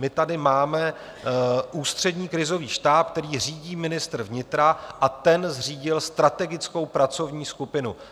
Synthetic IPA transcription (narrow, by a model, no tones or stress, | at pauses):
mɪt̪adɪmaːmɛ | ʔuːst̪r̥ɛdɲiːkɾɪzo̞viːʃt̪aːp̚k̚t̪ɛɾiːr̝iːɟiːmɪnɪst̪r̩vɲɪt̪ɾaʔat̪ɛnzr̝iːɟɪlst̪ɾat̪ɛɡɪt͡sko̞wpɾat͡so̞vɲiːskupɪnu